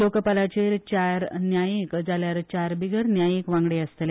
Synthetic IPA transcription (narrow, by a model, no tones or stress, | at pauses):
lokəpalat͡ɕeɾt͡ɕaɾnjajikd͡zaljaɾt͡ɕaɾbiɡəɾnjajikʋãŋɡɽeəst̪le